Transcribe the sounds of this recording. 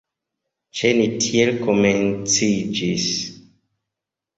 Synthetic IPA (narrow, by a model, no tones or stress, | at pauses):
t͡ʃenitʰielkoment͡sid͡ʒis